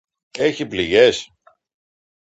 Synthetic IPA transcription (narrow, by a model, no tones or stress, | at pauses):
e̞çipliʝe̞s